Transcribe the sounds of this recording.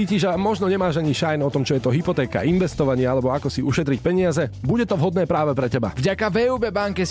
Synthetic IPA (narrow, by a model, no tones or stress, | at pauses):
iːciʒamɔʒnɔɲɛmaːʒaɲiʃajnɔt̪ɔmt͡ʃɔjɛt̪ɔɦipɔt̪ɛːka̰ʔinʋɛst̪ɔʋaɲɪɛalɛbɔakɔsiuʃɛt̪ɾic̚pɛɲɪazɛbuɟɛt̪ɔvɦɔd̪nɛːpɾaːʋɛpɾɛcɛba̰vɟakavɛːuːbɛbaŋkɛ